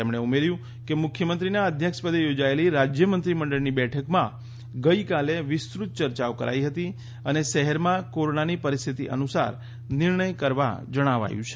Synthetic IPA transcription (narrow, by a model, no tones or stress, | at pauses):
emɽeumeɾjũ | kemʊkʰjəmənt̪ɾinaəd̪ʱjəkʃpəd̪ejod͡ʒaeliɾad͡ʒjəmənt̪ɾiməɳɖəɭnibɛʈʰəkmã | ɡəikaleʋɪst̪ɾut̪̚t͡ʃəɾt͡ʃaokə̰ɾʔa̰iɦət̪i | əneʃəɦəɾmãkoɾonanipəɾist̪ʰit̪iʔə̰nusa̰ɾ | nɪɾɳəjkəɾʋa̰d͡ʒəɽ̃aʋa̰jũt͡ʃʰe̥